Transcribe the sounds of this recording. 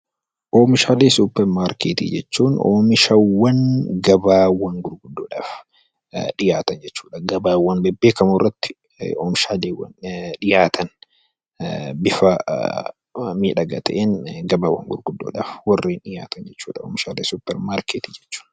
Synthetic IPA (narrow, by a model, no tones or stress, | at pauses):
ʔoːmɪʃaːleːsupːɛɾmaːɾkeːt̪ḭːd͡ʒɛt͡ʃːuːno̰ːmɪʃɐwːɐnɡɐbaːwɐŋɡʊɾɡʊd̪ːoːᶑaːf | ᶑɪjaːt̪ɐnd͡ʒɛt͡ʃːuːᶑɐɡɐbaːwːɐnbɛbːeːkɐmʊrːɐt̪ːɪ̥ | oːmɪʃaːleːwɐnᶑɪjaːt̪ʰɐn | bɪfɐ | miːᶑɐɡɐt̪ʰɐʔenɡɐbaːwːɐ̰ŋɡʊɾɡʊd̪ːo̰ːᶑa̰ːfwɐrːiːnɗɪja̰ːt̪ɐnd͡ʒɛt͡ʃːṵːᶑɐoːmɪʃaːleːsupːɛɾmaːɾkeːt̪iːd͡ʒɛt͡ʃːu̥ːn